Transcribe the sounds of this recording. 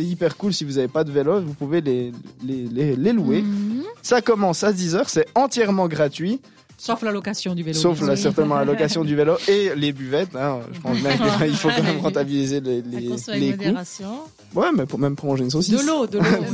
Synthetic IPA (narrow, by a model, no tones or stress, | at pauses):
sɛipɛʁkulsivuzavepad̪əvelovupuveleleleleluesakɔmɑ̃sad̪izœːʁsɛɑ̃t̪jɛʁmɑ̃ɡʁat̪ɥi | soflalɔkasjɔ̃d̪yssoflasɛʁt̪ɛnmɑ̃lalɔkasjɔ̃d̪yveloʔelebyvɛt̪ɛ̃ø̰ʒəpɑ̃sbjɛ̃mkəilfokɑ̃mɛmʁɑ̃t̪abilizeleleleku | wɛmɛpmɛmpχɔlɔ̃ʒensosio